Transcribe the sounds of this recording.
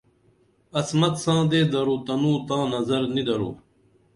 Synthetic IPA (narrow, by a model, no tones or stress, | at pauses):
ɐsmɐt̪sãːd̪eːd̪ɐɾuːt̪ɐnũːt̪ãːnɐzɐɾnid̪ɐɾṵː